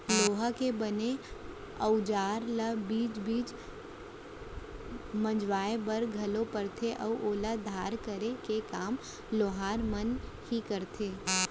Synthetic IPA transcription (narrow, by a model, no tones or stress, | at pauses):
loːɦakebəne | əʊd͡ʒaːɾlabiːd͡ʒbiːd͡ʒ | mə̃d͡ʒʋaːebɐɾɡʱɐlopəɾt̪ʰeʔəʋʔoːlad̪ʱaːɾkəɾekekaːm | loːɦaːɾmənhikəɾt̪ʰeː